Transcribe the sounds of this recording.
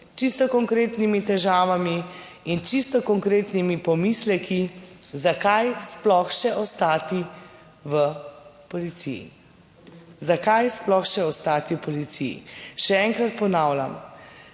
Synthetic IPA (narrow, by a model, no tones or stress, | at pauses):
t͡ʃist̪ɔkɔŋkɾeːt̪nimit̪ɛʒaːʋami | int͡ʃist̪ɔkɔŋkɾeːt̪nimipɔmislɛkizakajsplɔxʃɛʔɔst̪aːt̪i | ʋəpɔlit̪sḭjḭ | zakajsplɔxʃɛɔst̪aːt̪iwpɔlit̪sijḭʃɛɛŋkɾat̪̚pɔnaːwlʲa̰m